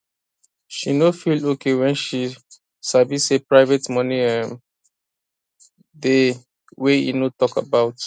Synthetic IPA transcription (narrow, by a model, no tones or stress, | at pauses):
ʃinofilokʰewɛ̃nʃi | savisepɹaɪvetmɔ̃niãm | de | weḭnotɔka̰baʊt